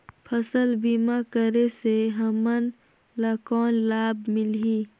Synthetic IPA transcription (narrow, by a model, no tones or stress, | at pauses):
pʰəsəlbiːmakəɾeseɦɐmən | lɐkɔːnlaːbmɪlɦiː